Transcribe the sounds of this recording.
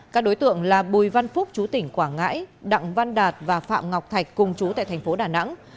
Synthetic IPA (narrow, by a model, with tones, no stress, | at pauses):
kaː˦˥k̚ɗo˨˦jt̪ɨ̰˧˨əŋlaː˨˩ɓu˨˩jva˧nfʊ˦˥k͡p̚t͡ɕu˨˦t̪ï˧˩ŋ̟kwaː˧˩ŋa̰ː˧˥jɗa̰˧˨ŋva˧nɗaː˨˩t̚vaː˨˩fa̰ː˧˨mŋa˨˩wk͡p̚t̪ʰa˨˩jk̟̚kʊ˨˩ŋ͡mt͡ɕu˨˦t̪a̰ː˧˨t̪ʰŋ̟fo˨˦ɗaː˨˩na̰˧˥ŋ